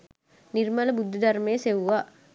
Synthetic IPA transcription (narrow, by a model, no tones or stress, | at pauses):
nirmələbud̪ʱːəd̪ɐɾmejəsewʋa